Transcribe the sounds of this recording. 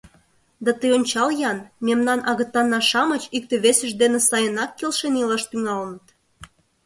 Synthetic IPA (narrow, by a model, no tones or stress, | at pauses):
d̪ɑt̪əjonʲt͡ɕɑljɑnmemnɑnʔɑɣə̆t̪ːɑnːɑʃɑmət͡ɕik̚t̪ĕβesə̆ʒd̪enĕsɑjənɑkːelʃenilɑʃt̪yŋɑlənət̪